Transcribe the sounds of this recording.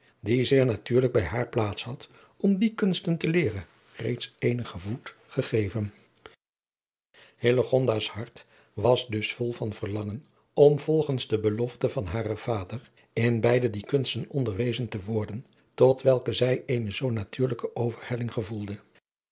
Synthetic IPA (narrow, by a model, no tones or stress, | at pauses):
dizɪːɹnatyːɹləɡ̚bɛjɦaːɹplaːtshɑt | ɔmdikɵnstəntəlɪːrən | rḛjtsejnəχəvut | χəχejvən | hɪləχɔndaːshɑɹt | ʋɑzdɵsfɔlˠvɑnvəɹlɑŋən | ɔmv̥ɔlˠχənzdəbəlɔftəvɑnɦaːrəv̥aːdəɹ | ɪnbɛjdədikɵnstənɔndəɹʋejzəntəʋɔɹdən | tɔtʋɛlˠkəzɛjejnəzownatyːɹləkəʔowvəɹhɛlɪŋχəvulˠdə